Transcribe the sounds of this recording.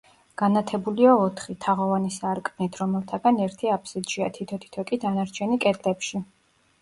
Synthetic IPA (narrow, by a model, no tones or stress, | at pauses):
ɡ̥anat̪ʰɛbuliaɔt̪ʰχit̪ʰaʁɔvanisaɾkʼnit̪ʰɾɔmɛlˠt̪ʰaɡanɛɾt̪ʰiapʰsid̪ʒiat̪ʰit̪ʰɔt̪ʰi̥t̪ʰɔkʼid̪anaɾt͡ʃʰɛnikʼɛd̪ʼlɛpʃi